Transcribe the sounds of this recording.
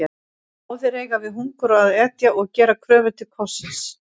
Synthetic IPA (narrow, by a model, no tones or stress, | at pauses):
ɔwθɪɾeːjɣavɪðɦuŋkʏɾaːðɛt̪jaʔɔɣcɛːɾakʰɾœːvʏlt̪ʰɪkʰɔsɪns